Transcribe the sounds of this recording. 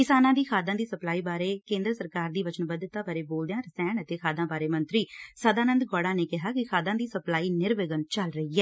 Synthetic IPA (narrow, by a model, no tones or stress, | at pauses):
kɪsaːnãːd̪iːkʰaːd̪ãːd̪iːsəplaːiːbaːɾeːkẽːnd̪ɾsəɾkaːɾd̪iːʋət͡ʃənbəd̪t̪aːbaːɾeːboːld̪ejãːɾəsɛːɳət̪eːkʰaːd̪ãːbaːɾeːmənt̪ɾiːsəd̪aːnənd̪ɡɔːɽãːneːkɪɦaːkɪkʰaːd̪ãːd̪iːsəplaːiːnɪɾʋɪɡənt͡ʃəlɾəɦiːɛː